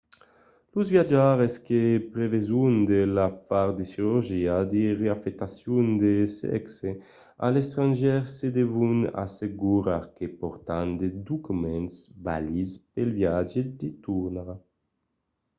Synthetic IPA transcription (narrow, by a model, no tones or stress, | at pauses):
luzvjad͡ʒaɾeskepɾevezund̪elafaɾd̪esiɾuɾʒiad̪iʁeafɛkt̪asjund̪esɛ̰kse | a̰lest̪ɾanʒɛɾsːed̪evuna̰seɡuɾaɾkepɔɾt̪and̪ed̪ukumɛnsba̰lispelvjad͡ʒed̪it̪uɾnaʁa